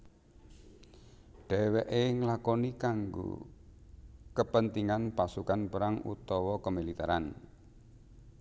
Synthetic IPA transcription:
ɖ̥ɛwɛʔeŋlakɔnikaŋɡo̰ | kəpənt̪iŋanpasukanpəɾaŋṵt̪ɔwɔkəmilit̪a̰ɾan

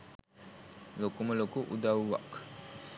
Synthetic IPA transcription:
lokuməlokuʔṵdauwa̰k

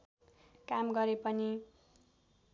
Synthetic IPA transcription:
kamɡʌɾepʌni

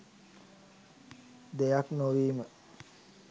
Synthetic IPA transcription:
d̪ejaknoʋiːmə

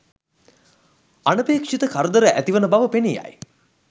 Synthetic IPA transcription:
anəpeːkʂit̪əkʰaɾəd̪əɾəʔæt̪iʋənəbaʋəpenija̰j

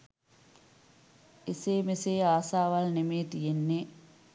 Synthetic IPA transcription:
eseːmeseːaːsaːʋalnemeːt̪ijenːe

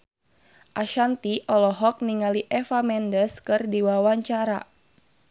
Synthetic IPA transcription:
ʔaʃant̪iʔɔlɔɦɔk̚niŋaliʔɛfamɛndəskɨrdiwawaɲt͡ʃaɾa̰

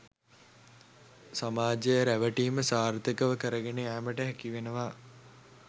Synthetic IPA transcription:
samaːd͡ʒejəɾæʋəʈiːməsaːɾt̪əkəʋəkəɾəɡeneæːməʈəɦækiʋenəʋaː

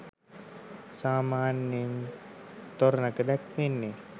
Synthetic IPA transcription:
saːmaːnːen | t̪oɾnakəd̪ɛkʋenːe

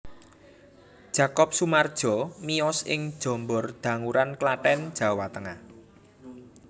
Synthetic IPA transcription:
dʒ̥a̤kɔp̚sumard̥ʒ̥ɔ̤miɔsɪ̰ŋd̥ʒ̥ɔ̤mbɔrd̪̥ä̤ŋuɾanklaʈɛnd̥ʒ̥a̤wat̪əŋah

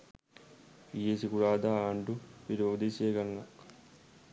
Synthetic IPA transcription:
ijesikuɽaːd̪aːaɳɖupiɾoːd̪iseːɡɐŋlɐ

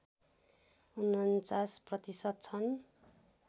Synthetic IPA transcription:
unʌnt͡sasprʌt̪isʌt̪̚t͡sʰʌn

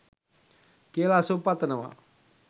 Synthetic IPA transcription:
kelasopat̪nəwa̰

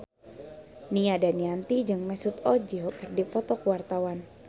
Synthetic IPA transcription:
niadaniant̪id͡ʒɨŋmɛsut̪ɔd͡ʒɛɔkərdipɔt̪ɔkuwart̪awan

